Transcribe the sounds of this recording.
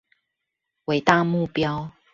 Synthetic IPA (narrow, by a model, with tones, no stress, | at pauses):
we˨˦ɪt̪a˥˧˨mu˥˨pjɑ˦ʊ